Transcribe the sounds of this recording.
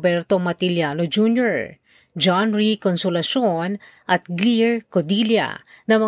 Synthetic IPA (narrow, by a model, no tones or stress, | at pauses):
bɛɹt̪omɐt̪ɪljanod͡ʒunjoɹ | d͡ʒanɹikonsʊlɐʃon | ʔɐt̪̚ɡliɹkod̪iljɐ̰nɐmɐ